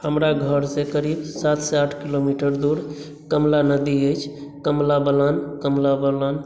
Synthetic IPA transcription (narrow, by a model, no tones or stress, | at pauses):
həmɾaɡʱəɾsẽkəɾibsat̪seaʈʰkilomiʈəɾd̪uɾ | kəmlanəd̪iəjt͡ʃʰkəmlabəlankəmlabəlan